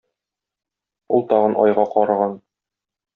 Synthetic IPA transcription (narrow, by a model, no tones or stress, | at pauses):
ulˠt̪ɒʁɤnʔɒ̰jʁɑqɒɾɑʁɑn